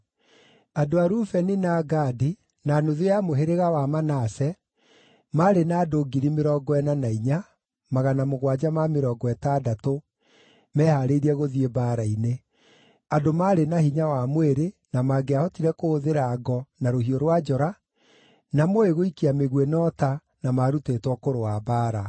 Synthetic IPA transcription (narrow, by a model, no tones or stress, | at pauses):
adoaɾufɛnenaːɡaːdi | naːnoðejamoɦeɾeɣawamanasɛ | maɾenaːdoɡiɾimeɾɔɡɔɛnanaiɲa | maɣanamoɣwad͡ʑamameɾɔːɡɔɛtadato | mɛːhaɾeɾiɛɣoðiebaːɾaine | adomaːɾenahiɲawamweɾenamaːɡeahɔtiɾɛkooðeɾaːɡɔnaɾohiɔɾwad͡ʒɔɾa | namoeɣoikiameɣwenɔta | namaɾutetwɔkoɾoabaːɾa